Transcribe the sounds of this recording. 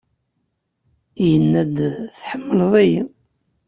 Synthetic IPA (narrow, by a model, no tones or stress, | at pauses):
jənːæd̪θħəmːəlðˤæji